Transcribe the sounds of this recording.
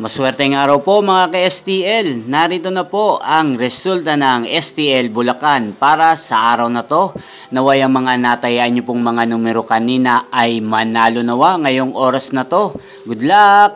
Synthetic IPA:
mɐswɛɾt̪ɛŋaːɾɐwpo̞mɐŋakɐʔɛst̪iʔɛlnaɾiːt̪o̞nɐpo̞ʔɐŋɾɛsult̪ɐnɐŋʔɛst̪iʔɛlbʊlɐkanpaːɾɐsɐʔaːɾɐwnɐt̪o̞ | nɐwajɐŋmɐŋanat̪ɐjaʔɐnːopʊŋmɐŋanuːmɛɾokɐniːnɐʔɐjmɐnaːlʊnɐwaŋɐjo̞ŋʔo̞ːɾɐsnɐt̪o̞ | ɡʊd̪lak̚

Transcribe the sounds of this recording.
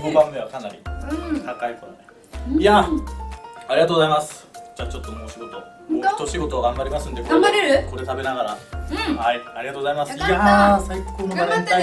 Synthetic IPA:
ɡobãmmeβakanaɾʲḭt̪akaikoɾod̪e | ja | aɾiɡat̪oɡozaimasɨ̥d͡ʑaːt͡ɕo̞t̪ːo̞meoɕiɡo̞t̪o̞ | t̪ːoɕiɡo̞t̪o̞aɡãmbaɾʲimasɨ̃nd̪ekoɾeaɾeɾko̞ɾe̞t̪abe̞naɡaɾahaiaɾʲiɡat̪oɡozaimasasaikʰːoːnoaɾena

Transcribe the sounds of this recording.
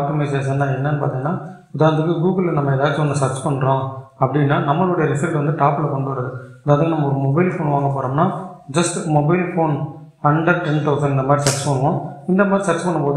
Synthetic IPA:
aːp̚ʈɔmɐɪseːsɛnːaːɛnːɐnːɯpa̰ːt̪ĩŋɡɐnːaː | ʊðaːɣnd̪ɯkːɯɡuːɡɐllɐnɐmːɐɛðaːt͡ʃɯʋɐnd̪ɐsɐɾt͡ʃpɐɳːɾõːɐpːɐɽɪnːaːnɐmːɐɭʊɽɐjɐɾɪfɐɾʈʋɐnd̪ɯʈaːpɪlɐkɔɳɖɯʋɐɾɐðɯɐðaːɐðãnɐmːɐɔɾɯmɔbɐɪlfoːnʋaːŋɡɐpːoːɾoːmnaːd͡ʒɐsʈmɔbɐɪlfoːn | ɐɳɖɐɾʈɾɪɳʈoːt̪ɐ̃ɪnd̪ɐmaːd̪ɾisɐɾt͡ʃpɐɳːɯʋõːɪnd̪ɐmaːd̪ɾisɐɾt͡ʃpɐɳːɯmpoːðɯ

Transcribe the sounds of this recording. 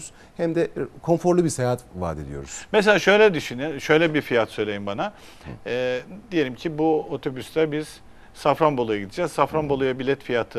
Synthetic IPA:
z̥ | hæmd̪ɛkʰo̞nfoɾlˠɯbiɾsejaat̪va̰ːd̪ed̪ijo̞̰ɾuz̥mɛselʲaːʃøjlʲɛd̪yʃyniʃø̞jlʲɛbiɾfijat̪sø̞jlʲejimbanaː | d̪ije̞lʲimcʰibuot̪ʰo̞byslʲæɾbiz̥ | safɾanbolˠujaɟid̪id͡ʒazsafɾanbo̞lˠujabilʲɛt̪fijat̪ʰɯ

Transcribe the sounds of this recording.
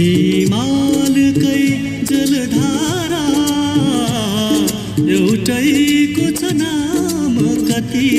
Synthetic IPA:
imalɨkʌj | d͡zʌlɖ̪ʱaɾa | ewʈʌjkot͡sɐnamkʌt̪i

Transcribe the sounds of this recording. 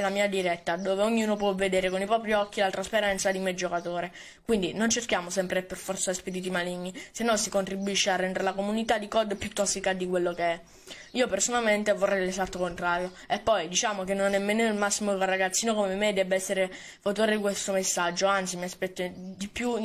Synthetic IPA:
lamiːad̪iɾɛt̪ːad̪oːveoɲːuːnop̬wɔvːed̪eːɾekonipɾɔːpɾiɔkːilalt̪ɾaspeɾɛnt̪sad̪imed͡ʒokat̪oːɾe | kwind̪inont͡ʃerkjaːmosɛmpɾeperfɔrt̪sasped̪it̪̬imaliɲːisenːɔsikont̪ɾibuiʃːearːɛnd̪eɾelakomunit̪ad̪ikɔd̪pjut̪ːɔsːikad̪ikwelːokeɛ | iːopersonalment̪evorːɛjd̪lezat̪ːokont̪ɾaːɾjo | epːɔjd̪it͡ʃaːmokenːonɛmːeːnoilmasːimokorːaɡat̪sːiːnokomemed̪ɛbːeɛsːeɾe | fot̪oːɾed̪ikwest̪omesːad͡ʒːoant̪simiaspɛt̪ːod̪ipːju

